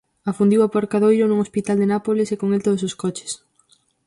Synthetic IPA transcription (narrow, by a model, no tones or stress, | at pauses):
afund̪iwapoɾkaðojɾʊnuŋospit̪ald̪enapolɪsekoŋelt̪oðʊsoskɔt͡ʃɪ̥s